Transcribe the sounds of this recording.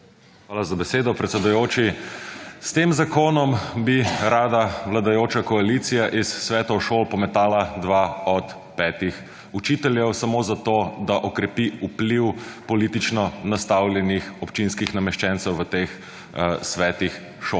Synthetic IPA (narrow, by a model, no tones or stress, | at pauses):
xʋaːlazabɛseːd̪ɔpɾɛt̪sɛd̪ʊjoːt͡ʃi | st̪emzakoːnɔmbiɾaːd̪aʋlad̪ajoːt͡ʃakɔaliːt̪sijaʔisːʋɛːt̪ɔwʃoːlpɔmɛt̪aːlad̪ʋaɔt̪ | pɛːt̪ix | ut͡ʃiːt̪ɛljɛwsamozat̪oːd̪aʔɔkɾɛpiupliwpɔliːt̪it͡ʃnɔnast̪awljɛnixɔpt͡ʃinskixnamɛʃt͡ʃɛntsɛwʋət̪ex | sʋɛːt̪ix | ʃo